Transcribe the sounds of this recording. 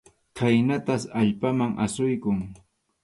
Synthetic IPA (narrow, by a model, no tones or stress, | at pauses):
kʰajnat̪asaʎpamaŋʔa̰sʊjkʊŋ